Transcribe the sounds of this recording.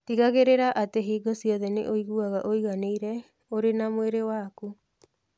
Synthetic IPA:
tiɣaɣeɾeɾaʔateɦiːɡɔsiɔðɛnḛʔoiɣuaɣaʔoiɣaneiɾɛ | oɾenamoeɾewaku

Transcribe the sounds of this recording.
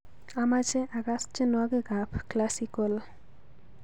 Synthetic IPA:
amad͡ʑeʔaɡast͡ʃenaɡeɡapʰklasikol

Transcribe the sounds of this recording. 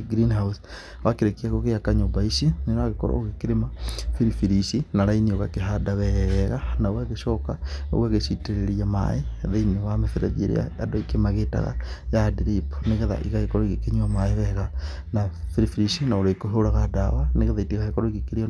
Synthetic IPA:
ɡɾinhaus | wakeɾekiaɣoɣeakaɲobaiʃineɾoaɣeko̰ɾa̰oɣekeɾemafiɾifiɾiʃinaɾainioɣakeɦadaβɛjɛɣanaowaɣeʃɔkao̰waɣeʃiteɾeɾiama̰eðainiwameθeɾa̰ðeɾḛa̰a̰doikemaɣeta̰ɣa̰jadeɾipneɣeða̰ʔḭɣahekɔɾoiɣekeɲuamaeβɛɣa | nafiɾifiɾiʃinaoɾaikoɦoɾaɣadawaneɣeðaitiɣahekoɾoiɣekeɾe

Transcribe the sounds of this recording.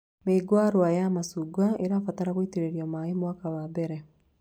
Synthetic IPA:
meːɡwaɾwajamasuɡwaeɾaːfataɾaɣwiteɾeɾjɔmaemwakaβabɛɾɛ

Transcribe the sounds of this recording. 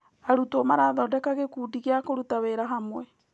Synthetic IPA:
aɾutomaɾaðɔdɛkaɣekuːdiɣeakoɾutaweɾaɦamwɛ

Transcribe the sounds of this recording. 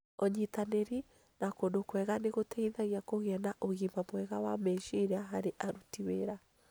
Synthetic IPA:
ɔɲitaneɾi | nakondokwɛɣaneɣotɛiðaɣiakoɣeɛnaʔoɣimbamwɛɣawamɛʃeɾɛaɦaɾeʔaɾutiweɾa

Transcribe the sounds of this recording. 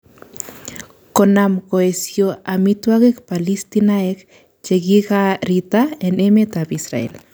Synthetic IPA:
konamkoesjoamit̪waɣekpalist̪inaek | t͡ʃeɡiɣaɾit̪aenemet̪apisɾa̰ḛl

